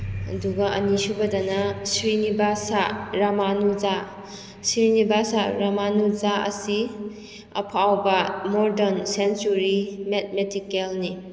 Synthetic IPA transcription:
ɐ̰duɡɐʔɐnisubɐdanɐsɾinibasaɾamanuza | sɾinibasaɾamanuzaɐ̰si | ɐ̰pʰawbɐmɔɾdɐnsensuɾimet̚metikelni

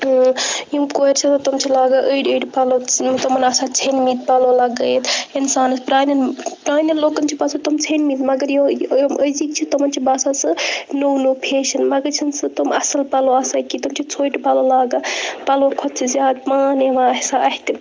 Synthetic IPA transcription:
jimkoeɾt͡ʃʰit̪ɐt̪omt͡ʃʰilaːɡɐʔəiɖəjɖpalot̪omɐnasat͡ʃʰenmit̪̚palolaɡɐjt̪ʰinsaːnspɾaːnɐnpɾaːnɐnloːkɐnt͡ʃʰipasot̪omt͡ʃʰenmit̪mɐɡəɾjməjzikt͡ʃʰit̪omɐnt͡ʃʰibaːsasɐnownopʰeːʃɐnmɐɡəɾt͡ʃʰinsɨt̪omɐsɐlpaloaːsajkit̪omt͡ʃʰit͡sʰoːiʈpalolaːɡɐpalokʰot̪sʰizjaːd̪maːneʋaɐsaɦt̪i

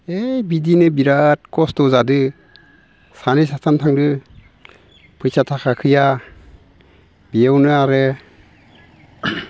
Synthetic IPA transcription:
ejbidinɯbiɾat̚kɔstɔzadɯ | sanisatʰantʰaŋdɯ | pʰɯjsatʰakʰakʰɯja | bijawnɯaɾɯ

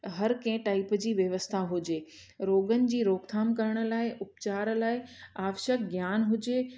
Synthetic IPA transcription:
ɦɐɾkẽɪ̃ʈaːɪpd͡ʑiːʋjɐʋəst̪ʰaɦʊd͡ʑeː | ɾoːɡənɪ̆d͡ʑiːɾoːɡt̪ʰaːmkɐɾəɽ̃ə̆laːɪʔʊpt͡ɕaːɾlaːɪaːʋʃəkɡjaːnɦʊd͡ʑeː

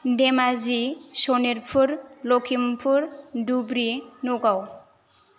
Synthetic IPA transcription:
d̪ɛmazisɔniɾpʰuɾlɔkʰimpʰuɾdubɾinuɡaw

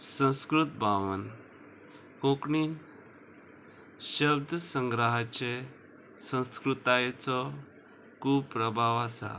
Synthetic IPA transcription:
sə̃w̃skɾut̪̚bʱaʋən | kokɳiːn | ɕəb̚d̪ʱsə̃ŋɡɾaɦat͡ɕe | sə̃w̃skɾut̪ajt͡sɔ | kuːbpːɾəbʱaʋasa̰

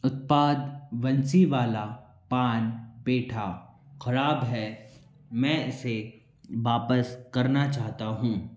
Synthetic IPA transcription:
ʊt̪̚paːd̪ʋɐnsiʋaːla | paːnbeːʈʰaxɐɾaːbɦɛ | mɛ̃ːɪse | ʋaːpəskɐɾnat͡ʃaːɦt̪aɦũː

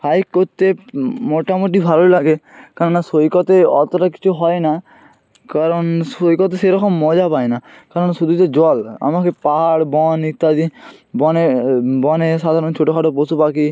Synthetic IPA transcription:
pʰajkːoɾt̪emoʈamoʈ̬ibʱalolaɡekaɾɔnːasojkɔt̪eɔt̪ɔɾaki̥t͡ʃʰuɦɔena | kaɾɔnsojkɔt̪eseɾɔkɔmːɔd͡ʒapaenakaɾɔnsud̪ʱut̪ed͡ʒɔla̰makepaɦaɽbɔnit̪ːad̪ibɔnebɔnesad̪ʱaɾɔnt͡ʃʰoʈokʰaʈoposupaki

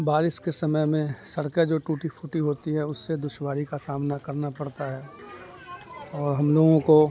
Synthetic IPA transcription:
baːɾɪskesɐməjmẽsɐɽked͡ʒoːʈuːʈifʰʊʈiɦoːt̪iɦɛʊsːed̪ʊʃwaːɾikasaːmnakɐɾnapɐɽt̪aɦɛː | ɔːɾɦɐmloːɡõko

